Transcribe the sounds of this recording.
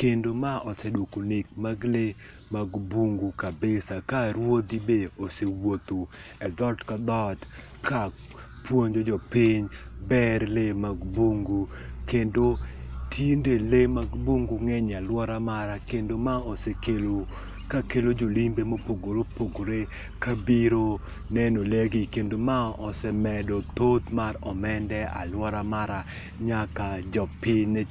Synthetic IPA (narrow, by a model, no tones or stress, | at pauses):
kendomaʔɔsedwokonik̚maɡle | maɡbuŋɡukabɪsakaɾwod̪ibeosewot̪oɛd̪ɔltkad̪ɔt | ka | pwoɲd͡ʒod͡ʒɔpɪɲbɛɾlemaɡbuŋɡukendotindelemaɡboŋɡuŋɛɲalwɔɾamaɾakendomaɔsekelo | kakelod͡ʒolimbemopoɡoɾopoɡɾe | kabiɾo | nɛnoleɡikendomaɔsɛmɛdɔt̪ot̪maɾɔmɛndɛa̰lwɔɾamaɾa | ɲakad͡ʒɔpɪɲnɛ